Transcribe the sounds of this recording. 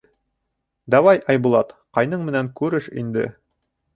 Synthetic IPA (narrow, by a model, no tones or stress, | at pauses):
d̪ɑwɑjʔɑjbulˠɑt̪qɑjnɤɴmɘ̆næŋkʉɾɘʃḭnd̪ɘ̰